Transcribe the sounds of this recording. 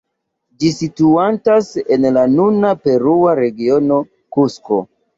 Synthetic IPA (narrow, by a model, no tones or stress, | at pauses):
d͡ʒisituantase̞nlanunape̞ɾuaɾe̞ɡio̞no̞ | kusko̰